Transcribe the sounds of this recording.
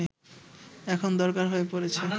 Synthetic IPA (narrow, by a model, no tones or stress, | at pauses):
ɛkʰond̪ɔɾkaɾɦoepoɾet͡ɕʰe